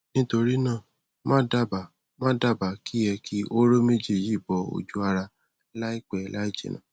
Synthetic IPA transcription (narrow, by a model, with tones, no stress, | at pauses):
nĩ˦to˧ɾi˦nãː˦˨ | mã˦da˦˨ba˨ | mãː˦da˦˨ba˨ki˦jɛ˧kʰi˦ʔo˦ɾo˦me˦d͡ʒe˧˨ji˦˨bɔ˨o̰˨d͡ʒu˨˦a˧ɾa˧ | la˦i˦k͡pɛ˦˨la˦i˦d͡ʒḛ˨nã̰ː˨